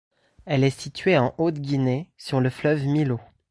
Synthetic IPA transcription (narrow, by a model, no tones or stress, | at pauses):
ɛlɛsit̪ɥeɑ̃ʔot̪ɡʲinesyʁləflœvmilo